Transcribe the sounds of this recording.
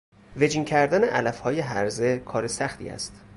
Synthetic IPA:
ve̞d͡ʒiŋcʰæɾd̪æne̞ʔælæfhɒːje̞ɦæɾze̞kʰɒːɾesæxt̪ʰḭːæ̰st̪

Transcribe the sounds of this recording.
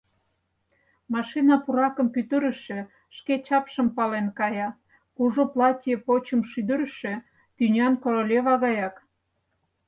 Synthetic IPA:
mɑʃinɑpuɾɑkə̆mpyt̪əɾə̆ʃĕ | ʃket͡ɕɑpʃəmpɑlenkɑjɑ | kuʒoplɑtʲjəpot͡ɕəmʃyd̪əɾəʃø̆ | t̪ynʲɑnkoɾolʲeβɑɣɑjɑk

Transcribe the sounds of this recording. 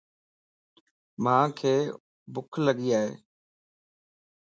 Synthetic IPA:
mãːkʰeː | bʊkʰləɠiːaːɦḛː

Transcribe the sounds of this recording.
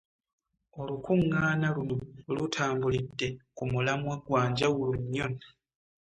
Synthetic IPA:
olukuŋːaːnalululutʰaːmbulidːe̞kumulamwaɡwaːɲɟawuluɲːo

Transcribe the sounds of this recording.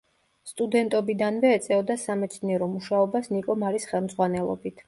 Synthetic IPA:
st̪ʼud̪ɛnt̪ʼɔbid̪anvɛːt̪sʼɛɔd̪asamɛt̪sʰniɛɾɔmuʃaɔbasnikʼɔmaɾisχɛlˠmd̪zʁwanɛlˠɔ̰bit̪ʰ

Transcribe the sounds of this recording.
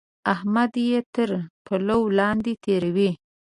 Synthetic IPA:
ahmad̪jet̪əɾpʰalawlɑnd̪et̪ʰeɾawi

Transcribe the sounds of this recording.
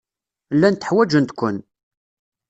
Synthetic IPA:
lːænt̪ə̥ħwæd͡ʒənt̪kʷːən

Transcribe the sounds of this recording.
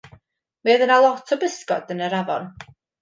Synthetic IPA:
miəðənalˠɔtʰɔbəskɔ̰dənəɾavɔ̰n

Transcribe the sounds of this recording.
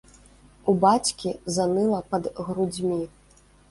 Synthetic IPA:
ubat͡sʲkʲizanɨlˠɐpɐd̪ɣɾud͡zʲmʲi

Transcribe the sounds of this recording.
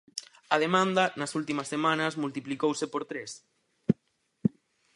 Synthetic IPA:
ɐð̞emãnd̪ɐnɐsult̪imɐsːemãnɐzmult̪iplikowsepoɾt̪ɾes

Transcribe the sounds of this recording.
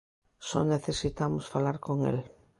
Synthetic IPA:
sɔ̰neθesit̪amosfalaɾkoŋḛl

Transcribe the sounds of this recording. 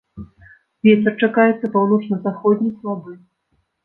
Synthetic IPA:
vʲɛtʲɐrt͡ʂakajɛt̪sːɐpawnɔt͡ʂnɐzaxɔd̪ʲnʲislˠabɨ

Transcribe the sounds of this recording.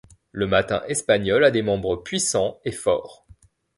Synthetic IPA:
ləmat̪ɛ̰̃ʔɛspaɲɔlad̪emɑ̃bʁəpɥisɑ̃efɔːʁ

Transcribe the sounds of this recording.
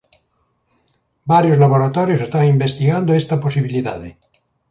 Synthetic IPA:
baɾjozlaβoɾat̪ɔɾjosest̪aŋimbest̪iɣand̪oest̪aposiβiliða̰ðe

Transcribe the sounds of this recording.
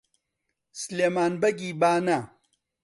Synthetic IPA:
sleːmaːnbɐɡiːbaːna

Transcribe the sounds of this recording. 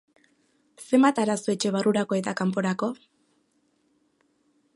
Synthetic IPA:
se̞mbat̪aɾasoe̞t͡ʃe̞βaruɾako̞e̞t̪akampo̞ɾako̞

